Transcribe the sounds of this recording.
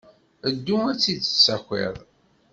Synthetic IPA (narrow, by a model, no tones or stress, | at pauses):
əd̪ːumæt͡sːid̪sːæxʷḭðˤ